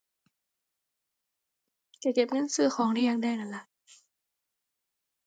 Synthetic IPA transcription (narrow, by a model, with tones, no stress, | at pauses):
kaː˧˩ke˨˩p̚ŋɤ˧˥˨nsɯː˧˩xʰɔː˨˦ŋɾi˧˩ja˧ŋda˧˩jna˧˩nla˧˩ʔ